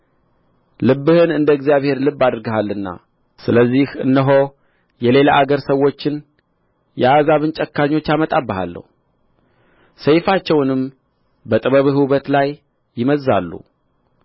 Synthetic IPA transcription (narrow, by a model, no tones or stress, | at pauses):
lɨbːɨhɨnɨnd̪əɡzijaβhe̞ɾlɨbːad̪ɾɡəɦalːɨnːa̰ | sɨləzːihɨ̰nːəɦo̞ | jɛle̞laʔaɡəɾsəwːo̞t͡ʃːɪn | jɛazaβɨnt͡ʃʼəkːaɲːo̞t͡ʃːamət̪ʼabːəɦa̰lːə̰hu | səjfat͡ʃːɛwnɨm | bət̪ʼɨβəβɨɦɨβət̪lajː | ɪməzːa̰lːṵ